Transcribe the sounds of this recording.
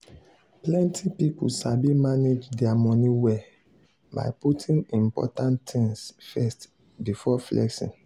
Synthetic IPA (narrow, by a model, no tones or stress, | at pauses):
plɛ̃ntʰipipṵʃabimaned͡ʒdɛamɔniwɛ | ba̰ɪputʰĩŋĩmpɔ̰tãntĩŋsfɛst | bifɔflʔɛ̰ksḭ̃n